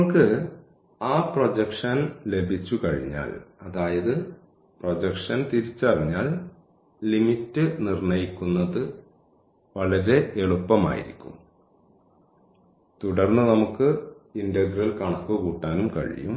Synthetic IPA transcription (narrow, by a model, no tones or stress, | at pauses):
ɐkːɨ | aːprod͡ʑɐkʂɐnle̞bʱit͡ɕːukɐɻḭɲːa̰ːlɐðaːjɐðɨ | prod͡ʑɐkʂɐnt̪iɾit͡ɕːɨɐriɲːaːlː | imitːɨnirɳɐjikʲːunːɐðɨ | ʋɐɭɐɾe̞eɭupːɐma̰ːjḭɾikʲːṵm | t̪uɽɐrnːɨnɐmukːɨindɐɡrɐlkɐɳɐkːukuːʈːaːnumkɐ̰ɻḭjṵm